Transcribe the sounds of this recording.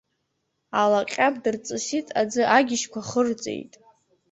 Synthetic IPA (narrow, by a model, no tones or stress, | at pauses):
alaqʲʼabdɨrt͡sʼɨsitʼad͡zɨʔaɡʲɪʃkʷʰaχərt͡sʼḛjtʼ